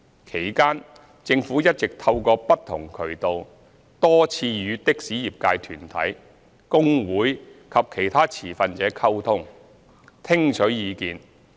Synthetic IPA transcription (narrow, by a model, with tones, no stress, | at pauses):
kʰe˨˩jkaː˥n | t͡sɪ˧ŋfuː˨˥jɐ˥t̚t͡sɪ˨k̚t̪ʰɐ˧wkɔː˧pɐ˥t̚t̪ʰːʊ˨˩ŋkʰɵ˨˩ɥt̪o˨w | t̪ɔː˥t͡sʰiː˧jyː˨˧t̪ɪ˥k̚siː˨˥jiː˨˩p̚kaː˧jt̪ʰyː˨˩nt̪ʰɐ̰˨˥j | kʊ˥ŋwuː˨˥jkʰɐ˨p̚kʰe˨˩jt̪ʰaː˥t͡sʰiː˨˩fɐ˨nt͡sɛː˨˥kʰɐ˥wt̪ʰʊ˥ŋ | t̪ʰɪ˥ŋt͡ʃʰɵ˨˥jiː˨˧kiː˨n